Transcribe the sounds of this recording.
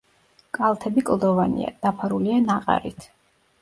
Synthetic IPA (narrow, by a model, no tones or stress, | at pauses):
kʼalˠt̪ʰɛbikʼlˠd̪ɔvanḭa̰d̪̥apʰaɾulianaqʼa̰ɾḭt̪ʰ